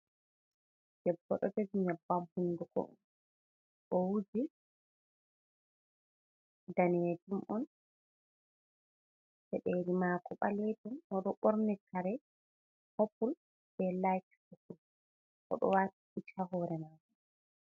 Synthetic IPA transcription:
d͡ʒ̥ɛbːɔ̰ɗɔtad͡ʒiɲabːamhundukɔ̰n | ʔɔwud͡ʒi | daned͡ʒumʔɔn | sɛɗeɾimaːkɔɓaletumɔɗɔɓɔɾnɛkaɾɛ | hopul | b̥ɛlajkhukul | ʔɔ̰ɗɔ̰waːtiʔit͡ʃaɦɔːɾɛmaːkɔ

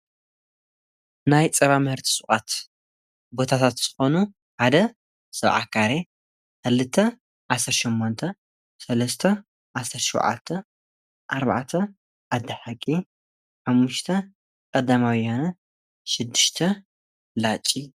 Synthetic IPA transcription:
najt͡sʼɐβamɨhɨɾt̪ʰi̥sʼuχʼat̪ | bo̞t̪ʰat̪ʰat̪z̥ɨxo̞nu | ħad̪ɐ | sɐβʕa̰kʰaɾe | xɨlɨt̪ʰːɐ | ʕasːɐɾʃimːont̪ʰɐ | sɐlɐst̪ʰɐ | ʕasɐɾʃṵwʕa̰t̪ʰːɐ | ʔaɾβa̰ʕt̪ʰɐ | ʔad̪ɐħakʼːi | ħamːuʃt̪ʰɐ | kʼɐd̪amawianɐ | ʃɪd̪ːɨʃt̪ʰɐ | lat͡ʃʼi

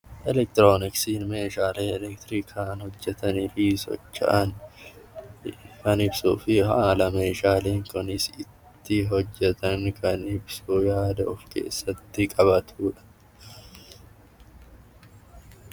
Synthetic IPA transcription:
ʔɛlɛk̚t̪ɾoːnɪksiːnme̞ːʃaːleːɛlɛkt̪ɾiːkʰaːnhɔd͡ʒːɛt̪ɐnɪfisɔ̰t͡ʃːɐ̰ʔɐn | kɐnɪbsuːfɪhaːlɐme̞ːʃaːleːŋkʊnɪsɪt̪ːɪɦɔd͡ʒːɛt̪ɐnkʰɐnɪbsuːjaːd̪ɐʊfke̞̰ːsːɐt̪ːɪkʼɐβɐt̪ʰuːᶑɐ̥

